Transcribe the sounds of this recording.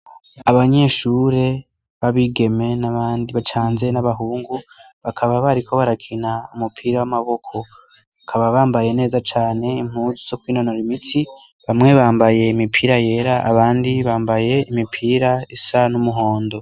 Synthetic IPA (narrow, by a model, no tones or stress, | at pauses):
aβaɲe̞ːʃuɾe̞ | βaβiɡe̞me̞naβaːndiβat͡ʃaːnze̞naβaɦuːŋɡu | βakʰaβaβaɾiko̞βaɾakʰinaumupʰiːɾawamaβo̞kʰo̞ | βakʰaβaβaːmbaje̞ne̞ːzat͡ʃaːne̞im̥uːzuzo̞kwiːnonoɾimiti | βamŋe̞βaːmbaje̞imipʰiːɾaje̞ːɾaʔa̰βaːndiβaːmbaje̞imipʰiːɾaisanumuɦo̞ːndo̞